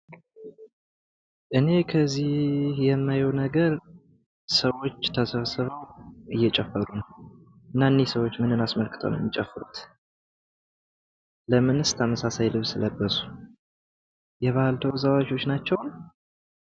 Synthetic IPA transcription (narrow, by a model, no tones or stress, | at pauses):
ʔɨne̞kʰəzihhjɛmːajɛwnəɡəɾ | səwo̞t͡ʃːt̪ʰəsəβsɨβəwʔɨjːɛt͡ʃʼɛfːəɾunəw | ɨnːaɨnesəwo̞t͡ʃːmɨnɨnasməlkʰʼɨt̪ʰə̰wnə̰mːit͡ʃʼɛfːɨɾut̪ | ləmɨnɨst̪ʰaməsasajlɨβsɨləbːəsu̥ | jɛβahalt̪ʰəwzawat͡ʃo̞t͡ʃːnat͡ʃːɛwn